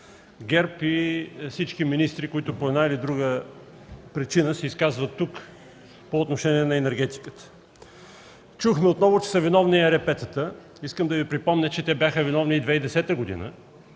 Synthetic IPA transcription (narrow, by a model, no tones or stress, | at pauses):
ɡɛɾpifsit͡ʃkiminist̪ɾikoit̪ʊpoɛd̪nailid̪ɾuɡə | pɾit͡ʃinəsɛiskazvət̪ːuk | poːt̪noʃɛniɛnɐɛnɛɾɡɛt̪i̥kə̥t̪ə̥ | t͡ʃuxmɛot̪nɔvʊt͡ʃɛ̥səvinɔvniɛɾɛpɛt̪ət̪ə | iskəmd̪ɐvipɾipɔmnʲət͡ʃɛt̪ɛbʲjaxəvinɔvniːd̪vɛid̪ɛsɛt̪əɡod̪ḭnə̰